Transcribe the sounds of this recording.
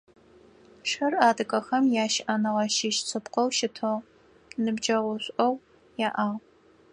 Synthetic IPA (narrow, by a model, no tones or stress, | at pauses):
ʂɐraːdɨkʼɐxɐmjaːʃʔɐnɨʁɐʃiʃt͡sʰɨpqɐwʃɪtʰo | nɨbd͡ʒɐʁʷʊɕʷʼʔɐw | jaːʔaːʁ